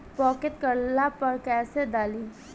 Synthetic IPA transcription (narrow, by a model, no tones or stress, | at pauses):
pɔːkɪt̪kəɾlapɐɾkɛːsed̪aːli